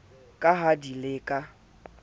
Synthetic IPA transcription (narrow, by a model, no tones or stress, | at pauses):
kʼaɦadilɪkʼa